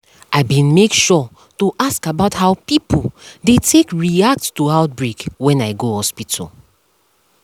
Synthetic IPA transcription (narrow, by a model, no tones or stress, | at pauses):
ʔaɪbĩnmekʃɔ | tuʔaskabaʊthaʊpipoldetʰekɹiak̚ttuaʊt̚bɹekwɛ̃naɪɡohɔspitʰɔ̰l